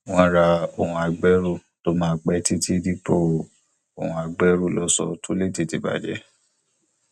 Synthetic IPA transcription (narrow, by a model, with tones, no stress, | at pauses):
w̃ɔ̃˧˦ɾa˧o˨hũ˧a˧ɡ͡bɛ˦ɾu˦˨ | to˦mãː˦˨k͡pɛ˧ti˦tʰi˦di˦po˦˨ | o̰˨hũ˨˧a˨ɡ͡bɛ˦ɾu˦˨lɔ˦sɔ̰˧tʰu˦le˦˨ti˧˨ti˧ba̰˨d͡ʒɛ̰˨˦